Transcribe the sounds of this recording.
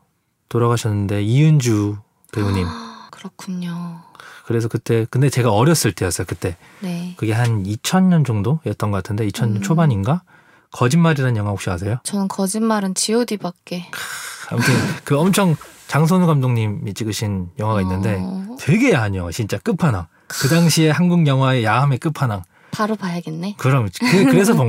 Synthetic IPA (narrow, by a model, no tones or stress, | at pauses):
toɾaɣaɕʰʌnːɯnde̞iɯnd͡ʑu | kɯbuɲimkɯɾʌkʰuɲokɯɾe̞s̬ʰʌkɯt͈e̞kɯnde̞t͡ɕe̞ɡaʌɾjʌs͈ɯɭt͈e̞jʌs͈ʌjokɯt͈e̞ | nekɯɡe̞ɦanit͡ɕʰʌnɲʌnd͡ʑoŋdoiʌt͈̚ʌnɡʌk͈atʰɯnde̞it͡ɕʰʌnɲʌnt͡ɕʰobaɲinɡa | kʌd͡ʑinmaɾiɾannjʌŋɦwaɦokɕ͈iwas̬ʰe̞jot͡ɕʌnɯnkʌd͡ʑinmaɾɯnt͡ɕiodibakk͈e̞ka̰mtʰɯnkɯʌmt͡ɕʰʌŋt͡ɕaŋs̬ʰonɡamdoŋɲimit͡ɕ͈iɡɯɕʰinjʌŋwaɡainːɯnde̞tʰwe̞ɡe̞jaɦaɲot͡ɕint͡ɕ͈ak͈ɯpʰanaŋ | kɯdaŋɕʰie̞hanɡuŋɲjʌŋɦwae̞jaamek͈ɯpʰanaŋ | paɾopajaɡenːekɯɾʌmkɯkɯɾe̞sʰʌpo